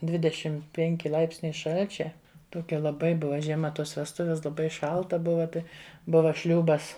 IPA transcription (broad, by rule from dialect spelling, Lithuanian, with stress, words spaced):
ˈdʲʋʲɪdʲɛʃʲɪm ˈpʲɛŋʲkʲɪ ˈlˠɐɪpʲsʲnʲɛɪ ˈʃɐlʲt͡ʃʲɛ toːˈkʲɛ lˠɐˈbɐɪ ˈbʊʋɐ ʒʲiɛˈmɐ ˈtoːs ʋʲɛsˈtʊʋʲɛs lˠɐˈbɐɪ ˈʃɐlˠtɐ ˈbʊʋɐ ˈtɐɪ ˈbʊʋɐ ˈʃʲlʲuːbɐs